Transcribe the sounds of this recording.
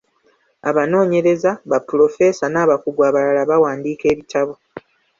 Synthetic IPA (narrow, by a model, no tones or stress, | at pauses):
aβano̞ːɲe̞ɾe̞zaβapulo̞fe̞ːsanaːβakuɡwaːβalalaβawaːndiːke̞ːβitaβo